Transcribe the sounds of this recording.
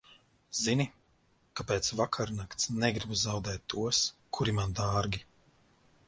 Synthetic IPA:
zini | kapeːt̪svakʰaɾnakt̪snɛɡɾibuzawd̪ɛːt̪ːuɔskʰuɾimand̪aːɾɡʲi

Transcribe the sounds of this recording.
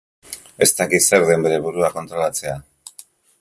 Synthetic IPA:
e̞st̪akit̪se̞ɾðe̞mbe̞ɾe̞βuɾuako̞nt̪ɾo̞lat͡se̞a

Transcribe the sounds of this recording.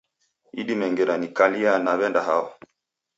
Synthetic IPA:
iɗimɛŋɡɛɾanikalianaβɛndaɦawa

